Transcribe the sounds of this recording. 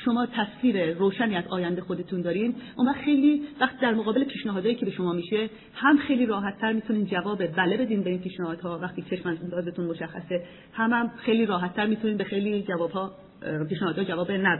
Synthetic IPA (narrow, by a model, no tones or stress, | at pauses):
ʃo̞mɒːt̪ʰæsviːɾeɾoːʃæniːæzɒːjænd̪exod̪e̞t̪ʰund̪ɒːɾinʔomvæχxe̞jliːvæχt̪iːd̪æɾmoɣɒːbe̞lepʰiːʃnæɦɒːd̪ɒːjiːcʰebeʃo̞mɒːmiːʃe̞ | hæmxe̞jliːɾɒːɦæt̪ʰːæɾmiːt̪ʰuniːnd͡ʒævɒːbebælebe̞d̪inbe̞inpʰiːʃnæhɒːd̪hɒːvæxt̪iːeʃmæd̪ɒːzet̪ʰunmoʃæxːæse | hæmhæmxejliːɾɒːɦæt̪ʰːæɾmiːt̪ʰuniːnbe̞xejliːd͡ʒævɒːbhɒː | piːʃnæhɒːd̪hɒːd͡ʒævɒːbenæbe